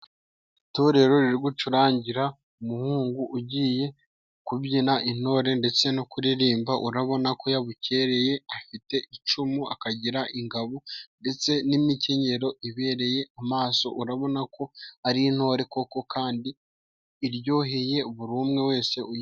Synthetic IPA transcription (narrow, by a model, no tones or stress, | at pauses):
ito̞ɾe̞ɾo̞ɾiɾɡut͡ʃuɾaːɲɟiɾa | umuhuːŋɡuʔːɟiːje̞ | kubɟinaʔin̥ho̞ːɾe̞nde̞t͡se̞nokuɾiɾiːmbaʔṵɾaβo̞nako̞jaβuce̞ːɾe̞je̞afite̞ʔit͡ʃumuakaɟiɾaʔiŋɡaβonde̞t͡se̞nimice̞ɲe̞ɾo̞iβe̞ːɾe̞je̞amaːso̞̰ʔuɾaβo̞nakʰo̞aɾin̥ho̞ːɾe̞ko̞ko̞kʰaːndiː | ɾɟo̞ːɦe̞je̞uβuɾuːmŋe̞we̞ːse̞u